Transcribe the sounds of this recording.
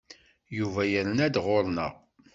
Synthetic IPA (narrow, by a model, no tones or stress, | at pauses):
juvæjəɾənæd̪ʁoɾnə̰ʁ